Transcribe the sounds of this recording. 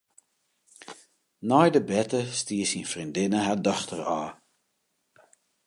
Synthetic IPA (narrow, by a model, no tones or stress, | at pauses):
nɔjdəbɛtəstiːəsinfrindɪnəɦadɔxtəraː